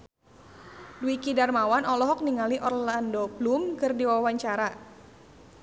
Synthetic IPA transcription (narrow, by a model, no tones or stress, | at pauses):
duikidarmawanɔlɔɦɔk̚niŋaliʔɔrlandɔblumkɨrdiwawaɲt͡ʃaɾa